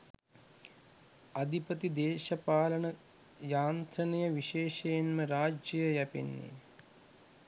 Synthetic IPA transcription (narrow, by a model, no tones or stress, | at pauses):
ɐd̪ʱipɐt̪id̪eːʃɐpaːlɐɳɐ | jaːnt̪ɾɐnɐjɐʋiʃeːʃɐjɐnmɐɾaːd͡ʒjɐjɐjɐpḭnːḭ